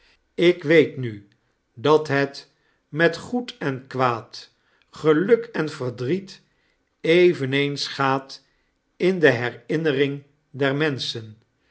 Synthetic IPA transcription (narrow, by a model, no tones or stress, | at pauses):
ɪkʋejtny | dɑtɦɛt | mɛtχutɛnkʋaːt | χəlɵkɛnvəɹdrit | ejvənejnsχaːt | ɪndəɦɛrɪnərɪŋ | dɛɹmɛnsən